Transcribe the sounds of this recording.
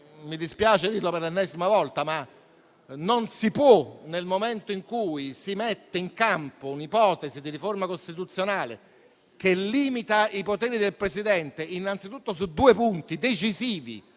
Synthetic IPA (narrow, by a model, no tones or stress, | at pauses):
mid̪ispjaːt͡ʃed̪irloperlenːɛzimavɔlt̪ama | nonsipwɔnelmoment̪oiŋkuːisimet̪ːeiŋkampounipɔːt̪ezid̪iɾiformakost̪it̪ut̪sːjonaːlḛ | k̟elːiːmit̪aipot̪ɛːɾid̪elpɾesid̪ɛnt̪eʔinːant̪sit̪ut̪ːos̬ud̪uːepunt̪id̪et͡ʃiziːvḭ